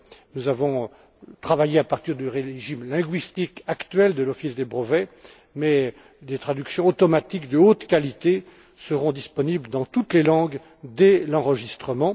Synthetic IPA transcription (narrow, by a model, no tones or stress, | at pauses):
nuzavɔ̃ | t̪χavajeapaʁt̪iʁd̪yʁeʒimlɛ̃ɡɥist̪ikakt̪ɥɛld̪əlɔfisd̪ebʁəvɛ | mɛ | d̪et̪χad̪yksjɔ̃ot̪ɔmat̪ikd̪əot̪kʲalit̪e | səʁɔ̃d̪ispɔnibld̪ɑ̃t̪ut̪lelɑ̃ɡ | d̪ɛlɑ̃ʁəʒist̪χəmɑ̃